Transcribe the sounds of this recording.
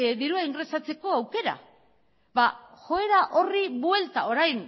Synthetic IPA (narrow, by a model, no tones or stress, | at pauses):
ðiɾuaiŋɡɾe̞sat͡se̞ko̞awke̞ɾa̰ | βaxo̞e̞ɾaʔo̞riβwe̞lt̪ao̞ɾajn